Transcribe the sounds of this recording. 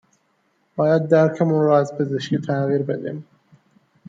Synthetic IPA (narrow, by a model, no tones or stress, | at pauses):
b̥ɒːjæd̪̚ːæɾkʰæmuːnɾɒːæzpʰezeʃkiːt̪ʰæɣiːɾbed̪ḭːm